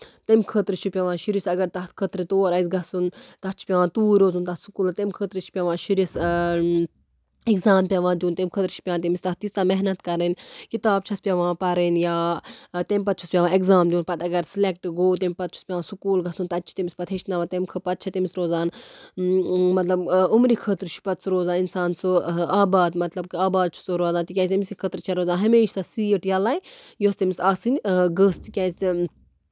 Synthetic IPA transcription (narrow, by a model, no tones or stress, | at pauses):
t̪ɐmʲkʰət̪ɾɨt͡ʃʰupʲaʋãːʃiɾisɐɡɐɾt̪ɐɦt̪kʰət̪ɾɨt̪oːɾɐisɡɐsunt̪ɐt͡ʃʰi̥pʲaʋãːt̪uːɾoːzunt̪ɐsukuːlt̪ɐmʲkʰəːt̪ɾɨt͡ʃʰi̥pʲaʋãːʃiɾis | eɡzaːmpʲjaʋãːd̪ʲjuːnt̪ɐmʲkʰət̪ɾit͡ʃʰi̥pʲãːnt̪ɐmist̪ɐt̪ist̪aːmɛɦnɐt̪kɐɾenkit̪aːb̚t͡ʃʰɐspʲɐʋãːpɐɾenjaːt̪emʲpɐt̪̚t͡ʃʰuspʲjaːʋãːekzaːmd̪iuːnpɐt̪ɐɡɐɾsilek̚ʈɡoːt̪̬emʲpɐt̪̚t͡ʃʰu̥spʲjaʋãːsukuːlɡɐsunt̪ɐt̪ːt͡ʃʰi̥t̪imʲispɐt̪ʰɦeʃnɐʋãt̪emʲkʰɨpɐt̪̚t͡ʃʰɐt̪imisɾoːzaːn | mɐt̪lɐbumɾikʰəːt̪ɾt͡ʃʰu̥pɐt̪suɾoːzaːninsaːnsuaːbaːd̪mɐt̪lɐb̚kɨaːbaːd̪̚t͡ʃʰu̥soɾoːzaːnt̪ikʲãːs̬ʲɐmisikʰəːt̪ɾt͡ʃʰɐɾoːzaːnɦɐmeːʃsɐsiːəʈjɐlaːjjoːst̪imisaːsɨnʲɡəːst̪ikʲɛːsʲ